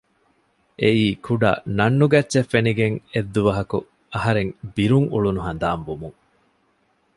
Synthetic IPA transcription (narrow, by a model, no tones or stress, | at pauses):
ʔeiːkʰuɖɐ̰nɐnːuɡɐtːʃefːeniɡeŋed̪ːuʋɐɦɐku | ɐɦɐɾeŋbiɾuŋṵɭunuɦɐnd̪aːmbumuŋ